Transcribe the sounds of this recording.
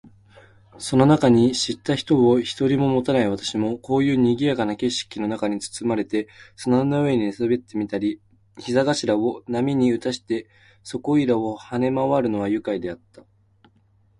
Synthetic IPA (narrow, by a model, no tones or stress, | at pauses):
so̞no̞nakaɲ̟iɕit̪ːaçi̥t̪o̞oçi̥t̪o̞ɾʲimo̞mo̞t̪anaiβ̞at̪ḁɕimo̞ko̞ːjɯ̟ːɲ̟iɡʲijakanake̞ɕi̥kʲino̞nakaɲ̟it͡sɨ̥t͡sɨmaɾe̞t̪e̞sonanːaɯ̟e̞ɲ̟iesɨbe̞t̪ːe̞mʲit̪aɾʲi | çizaɡaɕiɾao̞namʲiɲ̟iɯ̟t̪aɕi̥t̪e̞ | so̞ko̞iɾao̞hane̞maβaɾɯ̟no̞β̞ajɯ̟kaid̪e̞at̪ːa